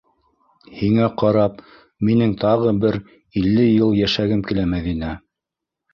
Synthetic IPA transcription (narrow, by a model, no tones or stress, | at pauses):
hiŋæqɑɾɑp̚ | minɘŋt̪ɑʁɤbɘɾ | ilːɘjɤlˠjæʃæɡɘmkilæmæðinæ